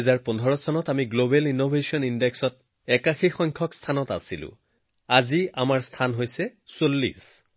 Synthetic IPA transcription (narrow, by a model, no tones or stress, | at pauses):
ɛzaɹpɔndʱɔɹɔsɔnɔtamiɡlobɛlinobʱesiɔnindɛksɔt | ɛkaxixɔŋkʰɔkstʰanɔta̰silʊ̰̃ | aziamaɹstʰanɦojsɛsolːḭs